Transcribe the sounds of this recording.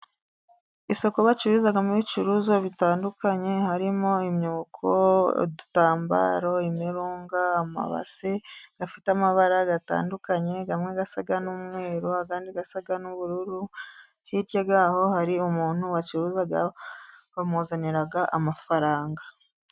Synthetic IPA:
iso̞ko̞βat͡ʃiɾuːzaɡamuβit͡ʃuɾuzo̞βitaːndukaɲe̞haɾimo̞imɲuːkʰo̰dutaːmba̰ɾo̞imiɾuːŋɡaːma̰βa̰seɡ̥afitamaβaɾaɡata̰ːndukaɲe̞ɡamŋeɡasaɡanumŋe̞ːɾoakaːndiɡasaɡanuβuɾuɾu | hiɾɟoɡɡaːho̞haɾiumuːn̥huwat͡ʃiɾuzaɡa | βamuzaniɾaɡaʔamafaɾaːŋɡa

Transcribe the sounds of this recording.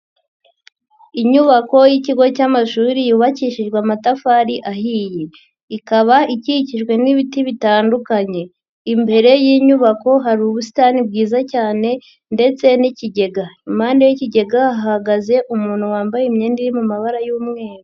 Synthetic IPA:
iɲuβako̞jiciɡo̞camaʃuːɾijuːβaciːʃiʒɡwamatafaːɾiʔahiːje | ikaβaʔiciciʒɡwe̞niβitiβitaːndukaɲe̞ | imbe̞ɾe̞jiːɲuβako̞ɦaɾuβusi̥taːnib̚ɡiːzacaːne̞ | nde̞t͡se̞niciɟe̞ɡaimaːndejiciɟe̞ɡaaɦaɡaze̞ʔumuːn̥huwaːmbajemɲeːndiɾimumaβaɾajuːmŋe̞ːɾo

